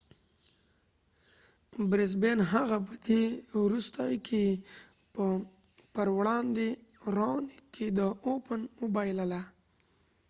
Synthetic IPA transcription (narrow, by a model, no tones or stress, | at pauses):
bɾes̬benɦaɣap̬əd̪ewɾust̪ajkʰe | pə | pəɾwɽɑnd̪eɾonikːed̪əopənubajləla